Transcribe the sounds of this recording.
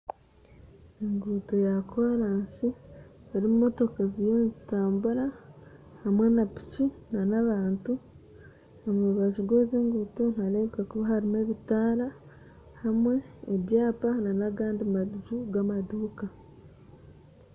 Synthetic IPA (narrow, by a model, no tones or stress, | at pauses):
eŋɡuːto̞jakʰaɾaːnsieɾimumo̞to̞kazijeːnzitaːmbuɾa | hamwe̞napi̥cinanaβaːntu | omuββaʒuɡozeːŋɡuːton̥alekakuβahaɾime̞βitaːɾa | hamwe̞ːβjaːpananaɡaːndimaʒuɡamaduːka